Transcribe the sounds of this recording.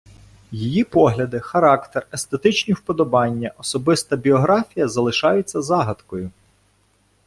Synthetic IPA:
jijipɔɦlʲɐd̪ɪxɐɾɑkt̪erest̪et̪ɪt͡ʃnʲiwpɔd̪ɔbɑnʲːɐʔɔsɔbɪst̪ɐbʲiɔɦɾɑfʲijɐzɐlˠɪʃɑjʊt͡sʲːɐzɑɦɐt̪kɔjʊ

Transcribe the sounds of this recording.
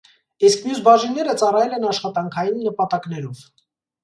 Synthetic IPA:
iskmjusbɑʒinːɛɾət͡sɑrɑjɛlɛnɑʃχɑt̪ɑŋkʰɑjinːəpɑt̪ɑkn̪ɛɾɔv̥

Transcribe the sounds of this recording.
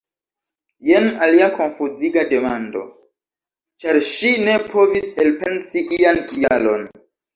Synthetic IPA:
jenaliakʰo̞nfuziɡade̞mando̞̰ | t͡ʃaɾʃine̞pʰo̞viselpe̞nsiʔiankʰialo̞̰n

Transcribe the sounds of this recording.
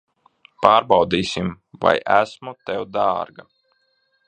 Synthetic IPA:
paːɾbɑwd̪iːsʲim | va̰jʔæsmut̪ɛwd̪aːɾɡa

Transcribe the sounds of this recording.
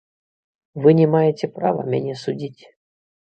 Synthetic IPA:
vɨnʲɛmajɪtʲɛpɾavɐ̰mʲɛ̰nʲɛsʊdʲitʲ

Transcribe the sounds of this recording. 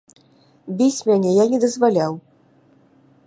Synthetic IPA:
bʲit͡sʲmʲanʲɛjanʲɛd̪ɐzvalʲaw

